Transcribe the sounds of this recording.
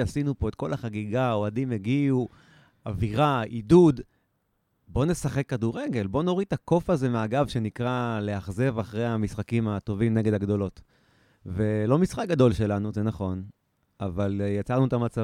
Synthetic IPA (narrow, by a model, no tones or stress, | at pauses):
asinupo̞et̪̚ko̞laχaɡiɡaoadimeɡiu | aviʁaidud | bo̞ne̞saχe̞kːaduʁeɡe̞lbo̞noʁit̪ako̞faze̞meaɡavʃe̞nikʁaleaχze̞vaχʁejhamisχakimat̪o̞vimne̞ɡedaɡd̪o̞lo̞t | velo̞misχak̚ɡad̪o̞lʃe̞lanuzenaχo̞n | avaljat͡saʁnut̪amat͡sa